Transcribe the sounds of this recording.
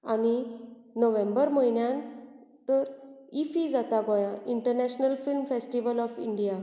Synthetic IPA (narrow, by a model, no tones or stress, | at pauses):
añinoʋẽmbəɾməjnjãnt̪əɾifid͡zat̪aɡɔjaʔiɳʈəɾnɛɕnəlfilmfesʈiʋəlɔfiɳɖija